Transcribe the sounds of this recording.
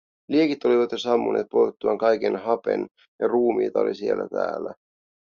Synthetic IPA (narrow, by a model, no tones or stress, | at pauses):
liekit̪o̞liʋɑt̪josɑmːuneːt̪̚pojt̪ːuɑŋkɑjk̟enɦɑpḛn | jɑruːmḭːt̪ɑo̞̰lisie̞lːʔæ̰t̪æ̰ːlːæ